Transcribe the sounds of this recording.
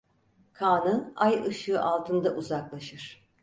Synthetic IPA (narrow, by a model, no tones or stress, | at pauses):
kʰaːnɯnajɯʃɯʔalˠt̪ʰɯnd̪aʔuzaklˠaʃɯɾ̥